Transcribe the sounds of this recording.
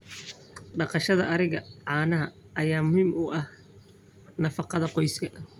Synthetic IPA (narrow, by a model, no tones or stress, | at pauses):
ɖɑqɑʃɐðɐɐɾɪɣɐʕɑːnɐɦɐ | ʔɐjaːmʊhiːmʊʔɐh | nɐfɑqɑðɐqɔjskʰɐ